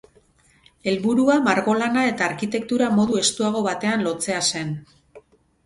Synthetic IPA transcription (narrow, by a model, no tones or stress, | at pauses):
e̞lβuɾuamaɾɣo̞lanae̞t̪aːɾkit̪e̞k̚t̪uɾamo̞ðue̞st̪uaɣ̞o̞βat̪e̞anlo̞t͡se̞ase̞n